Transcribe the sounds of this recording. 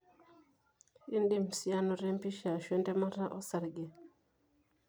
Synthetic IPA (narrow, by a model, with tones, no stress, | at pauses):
i˦ndi˦msja˦nɔ˨ɾe˦mpi˦ʃa˨ʃwɛ˦ntɛ˦ma˦ɾa˦ʔɔ˦sa˨ɾɡe˨